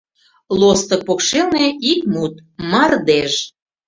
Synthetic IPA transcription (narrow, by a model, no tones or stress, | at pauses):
lost̪ɤk̚pokʃelneikmut̪̚mɑrd̪eʒ